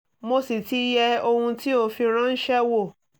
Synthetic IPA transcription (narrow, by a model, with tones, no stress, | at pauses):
mo˧si˨ti˦jɛ˧o˧hũ˧ti˦o˧fi˧ɾ̃ã˦n̩˦ʃɛ˦wo˦˨